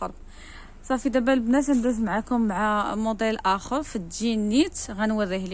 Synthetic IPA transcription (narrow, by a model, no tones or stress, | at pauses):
ɑɾˤb | sˤɑfid̪æbælbnæs̬ənd̪æzmʕakʊmːʕamod̪ˤelʔæxəɾˤfid̪ʒinit̪ɣænwəɾihli